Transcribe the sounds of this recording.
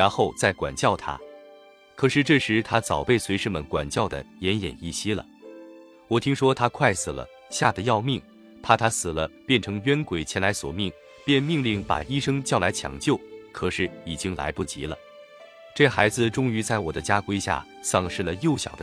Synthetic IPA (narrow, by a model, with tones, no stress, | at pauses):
ɻa˧˥nxo˥˧ʊt͡sa˥˩ɪkwa̰˨˩nt͡ɕjɑ˥˩ʊt̪ʰa̰˥ | kʰɤ˨˩ʂɻ̩˥˧ʈ͡ʂɤ˥˩ʂɻ̩˧˥t̪ʰa˥t͡sɑ˨˩ʊpe˥˩ɪswe˧˥ɪʂ̩˥˩mə˨˩nkwa̰˨˩nt͡ɕjɑ˥˩ʊd̪ə̰˩jɛ˧˥njɛ̰˨˩ni˥˩ɕi˥lə̰˩ | wɔ˨˩t̪ʰi˥ŋʂwɔ˥t̪ʰa˥kʰwa˥˩ɪs̩˨˩lə̰˦ | ɕja˥˩d̪ə˩jɑ˥˧ʊmi˥˩ŋ | t̪ʰa˥˩t̪ʰa˥sɹ̩˨˩lə˦pjɛ˥˩nʈ͡ʂʰɤ˧˥ŋɥɛ˥nkwe˨˩ɪt͡ɕʰjɛ˧˥nla˧˥ɪswɔ̰˨˩mi˥˩ŋ | pjɛ˥˧nmi˥˧ŋli˥˩ŋpa̰˨˩i˥ʂɤ˥ŋt͡ɕjɑ˥˩ʊla˧˥ɪt͡ɕʰjɑ̰˧˥˩ŋt͡ɕjo˥˩ʊkʰɤ˨˩ʂɻ̩˥˩i˨˩t͡ɕi˥ŋla̰˧˥ɪpu˥˩t͡ɕḭ˧˥lə̰˧ | ʈ͡ʂɤ˥˩xa˧˥ɪd͡zɹ̩˧ʈ͡ʂʊ˥ŋy˧˥t͡sa˥˩ɪwɔ˨˩d̪ə˦t͡ɕja˥kwe˥ɪɕja̰˥˩ | sɑ˥˧ŋʂɻ̩˥˩lə˩jo˥˩ʊɕjɑ˨˩ʊd̪ə˦